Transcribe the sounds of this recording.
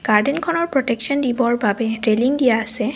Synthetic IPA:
ɡ̥aɹdenkʰɔnɔɹpɹɔtɛkʃɔndibɔɹbabɛɹeliŋdijaːsɛ

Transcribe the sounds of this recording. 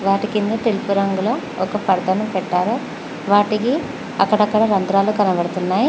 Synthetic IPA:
ʋaːʈikind̪ɐʈelpuɾɐŋɡuloː | ɔkɐpɐɾd̪ɐnupɛʈːaːɾo | ʋaːʈiki | ɐ̰kːɐɽɐkːɐɽɐɾɐnd̪ɾaːlukɐnɐʋɐɽɐt̪unːaːji

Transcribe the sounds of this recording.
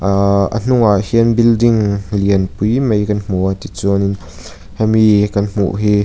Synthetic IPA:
ə̰n̥ʊŋaʔhiənbildɪŋliənpujmejkɐnm̥ut̪it͡sunin | hamikɐnm̥ṵʔɦiː

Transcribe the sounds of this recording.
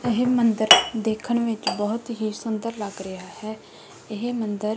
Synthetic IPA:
ɪɦemənd̪əɾd̪eːkʰəɳ̃ʋɪt͡ʃbɔːʊt̪ɦiːsʊnd̪əɾləɡɾɪaːhɛː | ɪɦeːmənd̪əɾ

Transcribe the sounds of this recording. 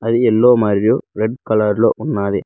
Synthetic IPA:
ɐðɯɛlːoːmaːɾɾɪjoːɾɛɖkɐlɐɾɪlo̰ːʔʊnːaːðe

